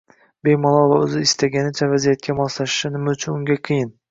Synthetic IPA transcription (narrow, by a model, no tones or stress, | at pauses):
bejmɒlˠɒvaɵzɪɪst̪ʰaɡʲanɪt͡ʃʰavazijat̪̚kʲamɒslaʃɪ̥ʃɪnɪmaʊt͡ʃʰʊnʊŋɡʲaqʰɨjɪn